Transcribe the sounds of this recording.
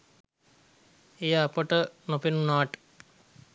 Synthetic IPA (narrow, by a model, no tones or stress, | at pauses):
ejapəʈənopinunaːʈ